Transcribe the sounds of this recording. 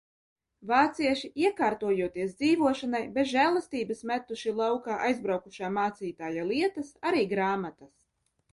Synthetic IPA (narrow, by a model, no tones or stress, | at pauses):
vaːt̪siɛʃiʔiɛkaːɾt̪uɔjuɔt̪iɛs̬d̪ziːvuɔʃanajbet̪ʒæːlˠast̪iːbɨsmʲæt̪ːuʃilˠawkaːʔajzbɾawkuʃaːmaːt̪siːt̪aːjalˠiɛt̪asaɾiːɡɾaːmat̪as